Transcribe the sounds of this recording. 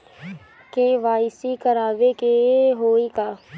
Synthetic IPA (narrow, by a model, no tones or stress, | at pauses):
keʋaːɪsikəɾaːʋekeɦoːikaː